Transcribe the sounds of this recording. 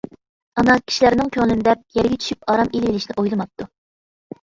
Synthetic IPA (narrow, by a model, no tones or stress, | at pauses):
ɑnɑkʲʰi̥ʃilæɾnɪŋkʲʰøŋlɪnɪd̪ɛp̚jɛɾɡʲɛt͡ʃ̪ʰy̥ʃypɑɾɑmilvɪlɪʃinɪʔojlˠɨmɑp̚t̪ʰːu